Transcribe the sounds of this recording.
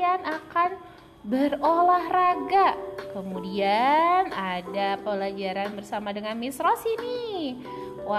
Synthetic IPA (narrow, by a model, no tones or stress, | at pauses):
anakan | bərolahraɡakəmudianadapəlad͡ʒaɾanbərsamadəŋanmisɾɔsini | wa